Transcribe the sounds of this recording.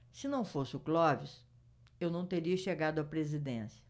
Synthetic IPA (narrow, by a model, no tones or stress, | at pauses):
sɪnɐ̃w̃fosɪʊklɔvɪs | ewnɐ̃w̃t̪eɾiɐʃeɡad̪ʊɐpɾezid̪ḛ̃siɐ̥